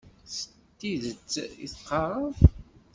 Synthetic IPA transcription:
sə̥ | t̪ːiðət͡sːḭθqːɑɾˤəf

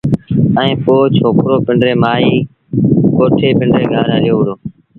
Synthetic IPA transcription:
ə̃ĩːpoːt͡ʃʰoːkɾoːpɪɳɖɾeːmaːiː | koːʈʰeːpɪɳɖɾeːɡʱaːɾəɾɪjoːʊɾoː

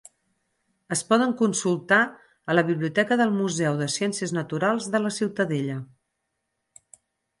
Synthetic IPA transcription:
əspɔð̞əŋkunsulˠt̪a | ələβiβliut̪ɛkəðəlˠmuzɛwðəsjɛnsiəznət̪uɾalˠzðələsiwt̪əðeʎə

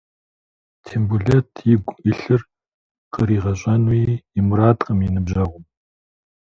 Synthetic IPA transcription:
tʰembuɮɛtʰjɪɡʷɪɬɨr | qəɾiːʁɐɕʼɐnujiɪmraːtʼqəmjinɨbʑɐʁʷʊm

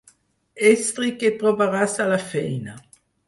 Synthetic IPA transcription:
est̪ɾiket̪ɾovaɾasalafɛejna

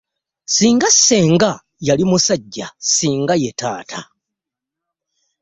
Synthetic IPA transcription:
siːŋɡasːe̞ːŋɡa | jalimusaɟːasiːŋɡaje̞taːtʰa

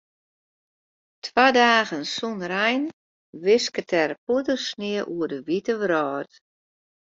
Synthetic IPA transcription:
tʰwadaːɣənsunrɛjn | ʋɪskətʰɛrpuədərsnɪəʔuədəʋitəʋɾɔːt

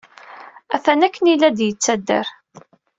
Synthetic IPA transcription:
æθænækːənilːæd̪jət͡sːæd̪ːə̰ɾ

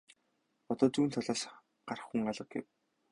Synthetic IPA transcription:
ɔt̪ɔːt͡suːnt̪ʰɔɮɔːs | ɢ̥ar̆χxuŋɢaɮə̆q̚ɡḛw

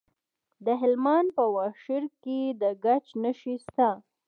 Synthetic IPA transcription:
d̪əɦɪlmanpəwɑʃɪɾked̪əɡat͡ʃnəʃist̪a

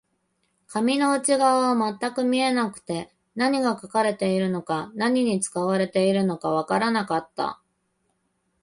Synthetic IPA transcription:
kamʲino̞ɯ̟t͡ɕiɡaβaβamat̪ːakɯ̟mʲie̞nakɯ̟̥t̪e̞ | naɲ̟iɡakakaɾe̞t̪e̞iɾɯ̟no̞kanaɲ̟iɲ̟it͡sɨ̥kaβaɾe̞t̪e̞iɾɯ̟no̞kaβ̞akaɾanakat̪ːa̰

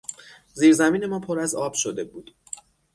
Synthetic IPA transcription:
ziːɾzæmiːne̞mɒːpʰoɾæzɒːb̥ʃod̪e̞buːd̪̥

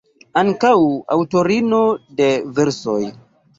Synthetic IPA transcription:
aŋkawa̰wtoɾino̞de̞veɾso̰j

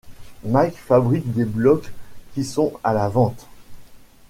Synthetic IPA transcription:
makfabʁik̚d̪eblɔkːisɔ̃alavɑ̃t̪

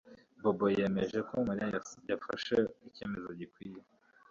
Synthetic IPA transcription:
bobojemeʒekomeɾajafa̰ʃeice̞ːme̞zoɟikwiːje

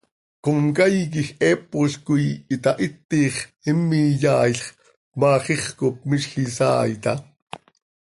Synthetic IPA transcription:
komkajk̬ixɛːpːoɬkujit̪ɑʔit̪ːiːχimːijɑːjɬχ | kmɑːχiχkop̚miʃxisɑ̰ːjt̪ɑ

